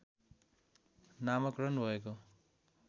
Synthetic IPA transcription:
namʌkrʌnbʱʌek̬o

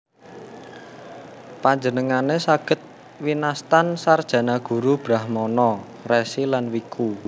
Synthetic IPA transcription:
paɲd͡ʒənəŋanesaɡ̥ə̤t̪̚ | winast̪ansard̥ʒ̥ä̤naɡ̥ṳɾub̥ɾahmɔnɔ | resilanwikʰu

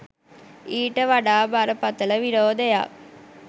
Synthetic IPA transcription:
iːʈəʋaɖaːbaɾəpɐt̪ələʋiɾoːd̪eja̰ː

